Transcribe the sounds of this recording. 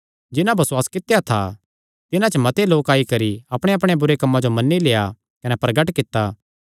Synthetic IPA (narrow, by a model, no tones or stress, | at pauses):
d͡ʒɪnãbʱɐswaːskɪt̪ːejat̪ʰa̰ | t̪ɪnãt͡ʃəmɐt̪eloːkaːikɐɾiɐpɽ̃eɐp̬ɽ̃ebʊɾekɐmːãd͡ʒomɐnːileːa | kɐnɛpɾɐɡəʈkɪt̪ːaː